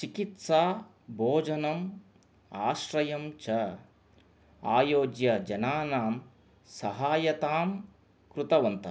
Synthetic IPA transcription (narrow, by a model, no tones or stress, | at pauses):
t͡ʃikit̪saː | bʱoːd͡ʒɐnɐm | aːʃɾɐjɐmt͡ʃɐ | aːjoːd͡ʒjɐd͡ʒɐnaːnaːm | sɐɦaːjɐt̪aːm | kɾut̪ɐʋɐnt̪ɐ